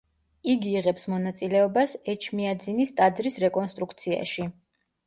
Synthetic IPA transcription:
iɡiːʁɛpsmɔnat̪sʼilɛɔbasɛt͡ʃʰmiad̪zinist̪ʼad̪zɾisɾɛkʼɔnst̪ʼɾukʰt̪sʰia̰ʃi

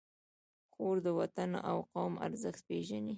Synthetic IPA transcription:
xoɾd̪əwat̪anʔawqawma̰ɾzəxt̪̚peʒani

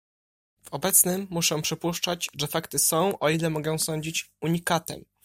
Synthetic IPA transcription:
v̥ɔbɛt̪snɘmːuʂɛ̃w̃pʂɘpuʂt͡ʂad͡ʑʐɛfakt̪ɘsɔ̃w̃ʔɔilɛmɔɡɔ̃w̃sɔɲd͡ʑit͡ɕuɲikat̪ɛ̰m

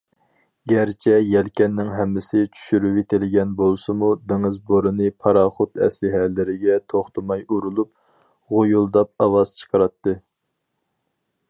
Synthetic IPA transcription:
ɡʲæɾt͡ʃʰɛjɛlkʲɛnːɪŋɦɛmːɪsɪt͡ʃʰy̥ʃyɾywet̪ʰɪlɪɡʲɛnbolˠsɨmud̪eŋɨzboɾɨnɨpʰɑɾɑːχʊt̪ɛ̰slɪɦɛlːɪɾɪɡʲɛt̪ʰoχt̪umɑjuɾulˠup̚ | ʁojulˠd̪ɑp̚ɑwɑz̥t͡ʃʰə̥qʰɑɾɑt̪ːɨ

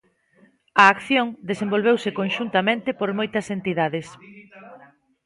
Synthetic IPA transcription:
ɐːkθjõŋd̪esẽmbolβ̞ewsekonʃunt̪ɐmẽnt̪ɪpoɾmojt̪ɐsent̪iðaðes

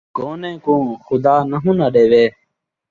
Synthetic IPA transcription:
ɡoːnẽːkũːxʊd̪aːnəɦũːnaɗeːʋeː

